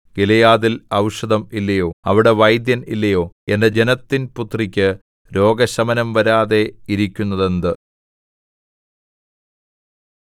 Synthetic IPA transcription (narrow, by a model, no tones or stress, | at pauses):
ɡilɐjaːðilɐwʂɐðɐmilːɐjo̞ːɐʋiɽe̞ʋɐjd̪jɐnḭlːɐjo̞ːende̞d͡ʑe̞nɐt̪ːinput̪rikʲːɨ | ɾo̞ːɡɐɕɐmɐnɐmʋɐɾaːðe̞iɾikʲːunːɐðe̞nd̪ɨ